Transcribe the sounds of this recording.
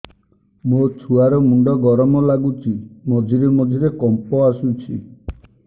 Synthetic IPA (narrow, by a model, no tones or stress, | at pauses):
mot͡ʃʰuaɾɔmuɳɖɔɡɔɾɔmɔlaɡut͡ʃʰimɔd͡ʒʱiɾemɔd͡ʒʱiɾekɔmpɔasut͡ʃʰi